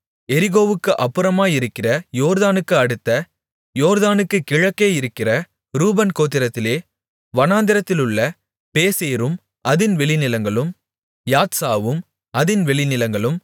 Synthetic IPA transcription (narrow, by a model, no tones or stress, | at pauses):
ɛɾɪɣoːʋɯkːɯʔɐpːɯɾɐmaːjɪɾɯkːɪrɐjoːɾðaːnɯkːɯɐɽɯt̪ːɐ | joːɾðaːnɯkːɯkɪɻɐkːeːjɪɾɯkːɪrɐ | ɾuːbɐnkoːt̪̬ːɪɾɐt̪ːɪleː | ʋɐnaːnd̪ɪɾɐt̪ːɪlɯɭːɐ | peːseːɾɯm | ʔɐðɪnʋɛɭɪnɪlɐŋɡɐɭɯm | jaːt̪saːʋɯm | ɐðɪnʋɛɭɪnɪlɐŋɡɐɭɯm